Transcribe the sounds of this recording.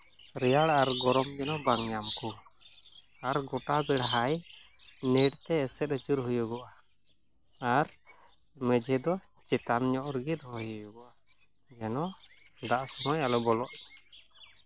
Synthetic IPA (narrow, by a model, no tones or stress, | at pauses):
ɾɛjaɽaɾɡɔɾɔmd͡ʒɛnɔbaŋɲamku | aɾɡɔʈabɛɽaɦaj | niʈt̪ɛːsɛt̪̚ət͡ʃuɾɦujuɡɔʔa | aɾ | mɛd͡ʒɛd̪ɔ | t͡ʃɛt̪amɲɔʔɾɡit̪̚hɔjɔjuɡɔʔa | d͡ʒɛnɔ | d̪aʔsɔnɔjalɔbɔlɔʔ